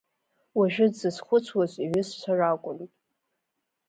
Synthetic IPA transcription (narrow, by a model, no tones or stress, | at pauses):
waʒᶣɪdzɨsχʷʊt͡sʷʰwazʷʼiɥɪst͡sʷʰarakʷʼʊntʼ